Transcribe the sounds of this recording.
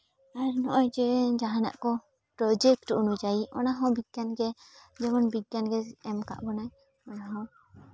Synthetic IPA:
aɾnɔʔɔjd͡ʒɛd͡ʒaɦana̰ʔkɔ | pɾɔd͡ʒɛkʈunud͡ʒaiʔɔnaɦɔ̃biɡ̪̚ɡjanɡɛd͡ʒɛmɔnbitɡanɡɛɛmka̰ʔbɔnaj | ɔnaɦɔ̃

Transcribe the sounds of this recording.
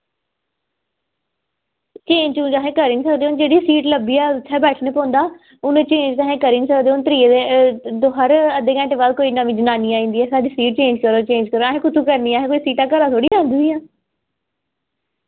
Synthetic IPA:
t͡ʃeːɲd͡ʒũːd͡ʒaːɦẽːkəɾiːnisəkd̪eːoːnd͡ʒeːɽiːsiːʈləbiːɛːt͡ʃʰɛːbɛːʈʰnẽːpɔ̃ːnd̪aː | ʊnt͡ʃẽːɲd͡ʒt̪aːɦẽːkəɾiːnisəkd̪eːoːnt̪ɾiːed̪oɦəɾəd̪eːkɛ̃ːɳʈeːʋaːlkoːiːnaʋĩd͡ʒənaːniːaːĩːnd̪iːɛːsaːdiːsiːʈ̚t͡ʃẽːɲd͡ʒkəɾoːt͡ʃẽːnd͡ʒkəɾoːaːɦẽːkʊt̪ʰuːkəɾniːaːɦẽːkoːiːsiːʈaːkəɾaːt̪ʰoːɽiːd͡ʒãːnd̪iːiːãː

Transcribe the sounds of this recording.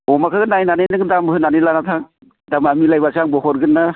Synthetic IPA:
ɔmakʰaɡɯnajnanenɯɡɯdamɯɦɯnanɯlanatʰaŋ | damamilajbasaŋbɔhɔɾɡɯnːa

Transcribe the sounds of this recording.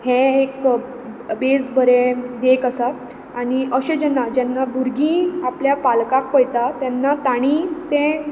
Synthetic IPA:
hẽek | bed͡zbəɾed̪ekəsaː | ɽiəɕẽd͡ʑɛnːad͡ʑɛnːabuɾɡĩːapljapalkak̚pəjt̪at̪jɛnːat̪aɽ̃ĩt̪ẽ

